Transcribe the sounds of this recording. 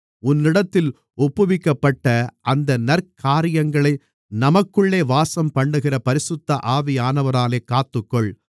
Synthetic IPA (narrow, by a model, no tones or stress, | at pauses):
ʊnːɪɽɐt̪ːɪl | ɔpːɯʋɪkːɐpːɐʈːɐʔɐnd̪ɐnɐrkʰaːɾɪjɐŋɡɐɭɐɪ | nɐmɐkːɯɭːeːʋaːsɐmpɐɳɖɯɣɪrɐpɐɾɪsɯt̪ːɐʔaːʋɪjaːnɐʋɐɾaːleːkːaːt̪ːɯkːɔɭ